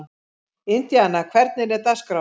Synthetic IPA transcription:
ɪnt̪jaanːakʰvɛɾt̪nɪnɛɾt̪askɾa

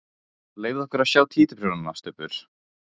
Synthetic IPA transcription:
leːjvðɔhkʏɾasjaːwt̪ʰiːt̪ɪpʰɾɛnana̰st̪ʏpʏɾ̥

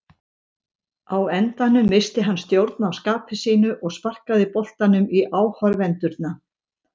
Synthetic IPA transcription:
awɛnt̪anʏmːɪst̪ɪɦanːst̪jowɾt̪naːwskaːpɪsiːnʏʔɔɣspar̥kaðɪpɔl̥t̪anʏmiʔaːwhaɾvɛnt̪ʏɾt̪̚na

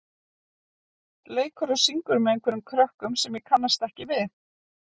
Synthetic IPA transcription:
leːjkʰœɾʏsiŋkʏɾmɛejŋkʰvɛɾʏmkʰɾœhkʏmsɛmjɛkʰanːast̪ɛhcɪvɪð

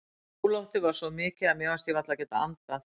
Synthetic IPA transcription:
uːlawht̪ɪvaɾ̥sɔmɪːcɪamjɛɣvaɾst̪jɛvat̪lacɛːt̪aant̪a

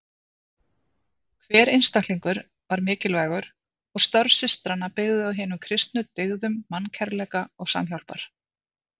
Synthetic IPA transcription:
kʰvɛːɾɪjnst̪aktliŋkʏɾ | vaɾmɪːcɪlvaːjɣʏɾ̥ | ɔɣst̪œɾvsɪst̪ɾanapɪɣðʏawɦɪːnʏmkʰɾɪst̪nʏt̪ɪɣðʏmːancʰɛɾlɛːkaɔɣsa̰mçawlpa̰ɾ̥

